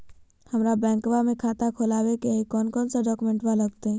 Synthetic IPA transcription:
həmɾabɛ̃ːŋkʋamẽkʰat̪akʰolaːbekeikɔːnkɔːnsaɖɔːkumẽɳʈbaləɡt̪ẽ

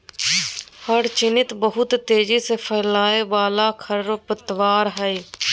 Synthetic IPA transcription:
həɽt͡ʃɪnɪt̪bəɦʊt̪ːeːd͡ʒiːseːpʰəːlaːeːʋaːlaːkʰəɾɾpət̪ʋaːɾɦɛiː

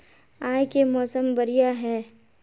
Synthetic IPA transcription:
ãːjkemɔːsəmbɐɾijaɦɛː

